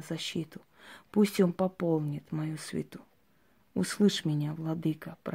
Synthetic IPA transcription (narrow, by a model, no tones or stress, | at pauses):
zɐɕːit̪ʊ | pusʲtʲonpɐpolˠnʲɪt̪mɐjusvʲɪ̰t̪u | uslˠɨʂmʲɪnʲavlˠɐd̪ɨkəpɾ